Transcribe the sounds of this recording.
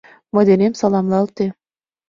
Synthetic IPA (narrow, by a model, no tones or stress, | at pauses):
mod̪enemsɑlˠɑmlˠɑlˠt̪e